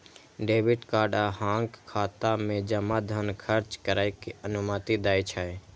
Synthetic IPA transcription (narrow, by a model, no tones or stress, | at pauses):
ɖeːʋɪʈkaːɾɖaɦãːŋkkʰːaːt̪amẽd͡ʒəmad̪ʱənkʰəɾt͡ʃkəɾaːjkeənʊmət̪id̪aːit͡ʃʰae